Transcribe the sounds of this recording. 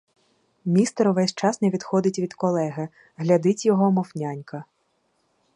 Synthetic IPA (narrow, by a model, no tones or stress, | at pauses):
mʲist̪ɐɾʊʋɛsʲt͡ʃɑsneʋʲid̪xɔd̪ɪtʲʋʲid̪̥kɔlˠɛɦɪ | ɦlʲɐd̪ɪtʲjɔɦɔmɔwnʲanʲkɐ